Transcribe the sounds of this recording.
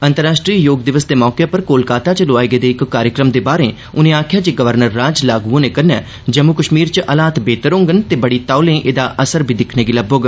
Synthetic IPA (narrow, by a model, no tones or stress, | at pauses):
ənt̪əɾaːʃʈɾiːjoːɡ̚d̪ɪʋəsd̪eːmɔːkepəɾkoːlkaːt̪aːt͡ʃəloaːeɡed̪eːɪkːaːɾjəkɾəmd̪eːbaːɾẽː | ʊnẽːaːkʰjaːd͡ʒeːɡəʋəɾnəɾːaːd͡ʒlaːɡuoːnẽːkəɾnɛ̰ː | d͡ʒəmukəʃmiːɾt͡ʃʔəlaːt̪beːt̪əɾõːŋɡənt̪eːbəɽiːt̪aːlẽːʔeːd̪aːʔəsəɾbʱiːd̪ɪkʰneːɡiləbõːɡ